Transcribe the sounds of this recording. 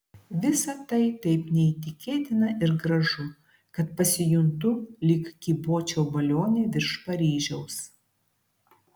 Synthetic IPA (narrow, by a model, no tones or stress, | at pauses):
ʋʲɪsɐt̪ɐɪt̪ɐɪpnʲɛiːt̪ʲɪkʲeːt̪ʲɪnɐʔɪɾɡɾɐʒʊ | kɐt̪pɐsʲɪjʊnt̪ʊlʲɪkkʲiːboːt͡ʃʲoːbɐlʲoːnʲeːʋʲɪɾʃpɐɾʲiːʒʲɛʊs